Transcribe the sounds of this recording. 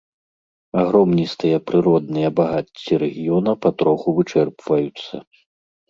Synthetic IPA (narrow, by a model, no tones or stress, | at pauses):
aɣɾɔmnʲist̪ɨjɐpɾɨɾɔd̪̚nɨjɐbaɣat͡sʲːiɾɛɣʲijɔnɐpɐt̪ɾɔxuvɨt͡ʂɛrpvɐjut̪sːɐ̰